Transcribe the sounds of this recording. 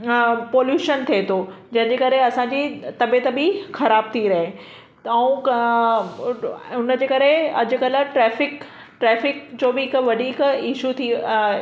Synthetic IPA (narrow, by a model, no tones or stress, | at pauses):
poːljuːʃənt̪ʰiet̪ʰod͡ʑɐ̃ɦɪ̃ɲd͡ʑeːkɐɾeɐsãɲd͡ʑit̪ɐbet̪ɐbixɐɾaːb̚t̪ʰiɾɐɦe | ɛũ | ʊnəd͡ʑeːkɐɾeɐ̰d͡ʑʊ̆kɐl̆ʈɾɛːfɪk | ʈɾɛːfɪk̚d͡ʑoːbɪkʋɐd̪ʱiːkiʃut̪ʰi